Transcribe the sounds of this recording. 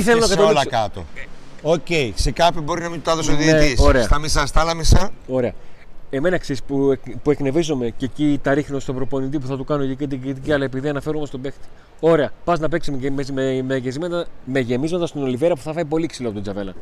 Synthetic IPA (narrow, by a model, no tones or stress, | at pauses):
iθelonɐkɐt̪oolɐkɐt̪o̞̰oce̞ise̞kɐpçibo̞ɾinɐmint̪ut̪ɐðosoðit̪isoɾesɐt̪ɐmisɐst̪ɐlɐmisɐo̞ɾe̞ɐe̞me̞nɐksispupue̞kne̞vizome̞cecit̪ɐɾixnost̪opɾo̞po̞nit̪ipuθɐt̪ukɐnoʝiket̪iɡɾit̪iciɐlɐe̞piðiɐnɐfe̞ɾumest̪o̞be̞xt̪i̥ | o̞ɾe̞ɐpɐznɐpe̞ksimeemezmemeʝezimɐt̪ɐme̞ʝe̞mizmɐt̪ɐst̪ino̞liveɾɐpu̥θɐfɐipo̞liksiloɐpot̪od͡zzɐve̞lɐ